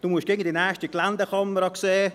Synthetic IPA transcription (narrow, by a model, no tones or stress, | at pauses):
d̥uːmuəʃɡeːɡŋ̩d̪inɛʃtikland̪əχɔməɾɑkseː